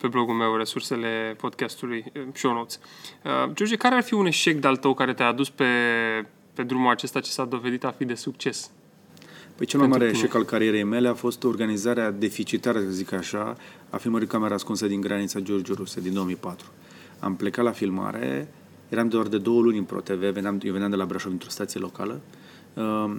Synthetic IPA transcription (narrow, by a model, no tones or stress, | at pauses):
pe̞blo̞ɡulme̞wre̞surse̞le̞po̞d̪kʲast̪ulujʃownowt̪səd͡ʒord͡ʒikaɾearfiune̞ʃe̞k̚d̪ealt̪əwkaɾe̞t̪eaad̪uspe̞ | pe̞d̪ɾumulat͡ʃe̞st̪at͡ʃe̥sad̪o̞ve̞d̪it̪afid̪e̞suk̚t͡ʃe̞s | pəjt͡ʃelmajmaɾeːʃe̞kalkaɾie̞ɾe̞jme̞le̞afo̞st̪o̞rɡanizaɾead̪e̞fit͡ʃit̪aɾəzikaʃa̰ | a̰filməɾikameɾaskunsed̪iŋɡɾanit̪sad͡ʒord͡ʒuɾused̪ind̪oomijpat̪ɾu̥ | a̰mple̞kat̪lafilma̰ɾe̞̰ | jeɾamd̪oard̪e̞d̪o̞wəlunʲɨnpɾo̞̰t̪e̞ve̞venamjeveamd̪e̞labɾaʃovd̪int̪ɾo̞st̪at̪sijelo̞kalə